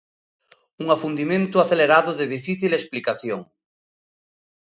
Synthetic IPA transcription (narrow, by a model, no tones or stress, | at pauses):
uŋafund̪imẽnt̪ʊaθeleɾaðoðeðifiθilesplikaθjoŋ